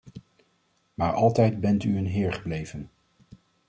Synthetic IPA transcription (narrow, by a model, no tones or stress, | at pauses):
maːɹʔɑ̰lˠtɛjdbɛntyənɦɪːɹχəblejvən